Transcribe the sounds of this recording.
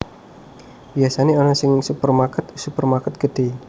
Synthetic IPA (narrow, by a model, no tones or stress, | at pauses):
b̥iasaneɔnɔsɪŋsupərmakət̪̚supərmakət̪̚ɡ̥əd̪̥e